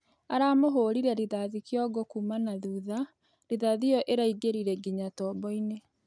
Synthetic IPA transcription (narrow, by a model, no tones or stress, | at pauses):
aɾaːmoɦoːɾiɾɛɾiðaðikjɔɡokumanaðuːða | ɾiðaðijɔʔeɾaiɡeɾiɾɛɡiɲatɔːbɔine